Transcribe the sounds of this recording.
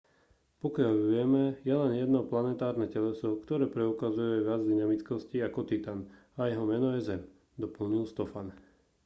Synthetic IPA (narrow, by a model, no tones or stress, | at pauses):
pɔkɪaʎʋɪɛmɛjɛlɛnjɛd̪nɔplanɛt̪aːɾnɛcɛlɛsɔkt̪ɔɾɛːpɾɛukazujuajʋɪad͡zd̪inamit͡skɔsciakɔt̪it̪an | ajɛɦɔmɛnɔjɛzɛm | d̪ɔpl̩ɲilst̪ɔfan